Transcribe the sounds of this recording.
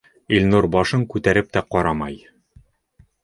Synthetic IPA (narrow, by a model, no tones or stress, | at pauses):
ilnuɾbɒʃɤɴkʉt̪æɾɘp̚t̪æqɒɾɑmɑj